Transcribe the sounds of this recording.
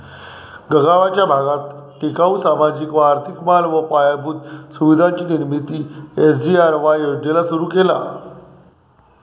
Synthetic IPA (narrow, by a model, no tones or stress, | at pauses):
ɡəɡaʋat͡ɕjabʱaɡat̪ʈikausamad͡ʑiːkʋəaɾt̪ʰikmalʋəpajabʱud̪suʋid̪ʱaɲt͡ɕiːniɾmit̪iːes̬d͡ʑiaɾʋajod̪elasuɾuːkela̰